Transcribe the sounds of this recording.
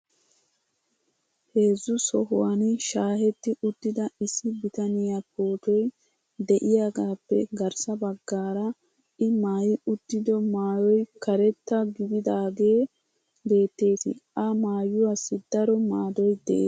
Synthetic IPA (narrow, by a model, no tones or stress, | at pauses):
he̞ːzːʊsɔɦʊwanʃaːhɛt̪ːɪʔʊd̪ːɪd̪ɐɪsːɪbɪt̪ɐnɪjɐpʰoːt̪ɔj | d̪ɛʔɪjaːɡaːpːɛ̰ɡɐɾsɐbɐɡːaːɾɐ | ɪmaːjɪʊd̪̥ːɪd̪ɔmaːjɔjkɐɾɛt̪ːɐɡɪbɪd̪aːɡe̞ː | be̞ːt̪ːe̞ːt̪ɪ̰ʔɐmaːjʊwasːɪd̪ɐɾɔmaːd̪ɔjd̪ɛ̰ʔḛː